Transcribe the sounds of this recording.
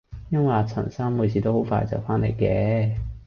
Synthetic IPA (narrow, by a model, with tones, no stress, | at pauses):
jɐ˥nwɐ˨a˧t͡sʰɐ̰˨˩nsɐː˥nmuː˨˧jsʰiː˨˧t̪o˥who˨˥wfa̰ː˧jt͡sɐ̰˨wfaː˥nle˨˩jkɛː˧˥